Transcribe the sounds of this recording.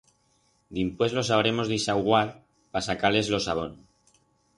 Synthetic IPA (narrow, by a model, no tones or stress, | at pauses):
d̪impwe̞zlo̞s̬aβɾe̞mo̞zðisawɣwal | pasakale̞zlo̞saβ̞o̞n